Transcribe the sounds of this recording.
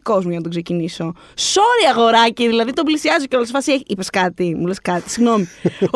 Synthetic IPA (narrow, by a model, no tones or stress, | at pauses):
ko̞zmuʝɐnɐt̪okseciniso̞ | soɾiɐɣo̞ɾɐciðilɐðit̪omblisiɐzoceolsfɐsieipeskɐt̪imuleskɐt̪i̥siɣno̞mi